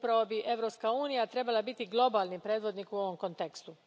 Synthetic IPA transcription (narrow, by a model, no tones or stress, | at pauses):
pɾaʋo̞biʔe̞ʋɾo̞pskauːnijat̪ɾe̞balˠabit̪iɡlˠo̞baːlˠnipɾeːd̪ʋo̞d̪nikuo̞ʋo̞mkont̪ekst̪u